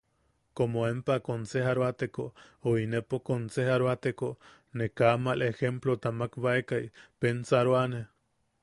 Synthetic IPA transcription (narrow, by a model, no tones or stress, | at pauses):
komoempakonsehaɾoat̪ekooinepokonsehaɾoat̪eko | nekamalexemplot̪amakβaekajpensaɾoane